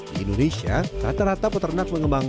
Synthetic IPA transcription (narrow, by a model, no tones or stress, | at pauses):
dḭḭndonesia̰sa̰t̪aɾat̪aput̪ərnat̪̚məŋəmbaŋ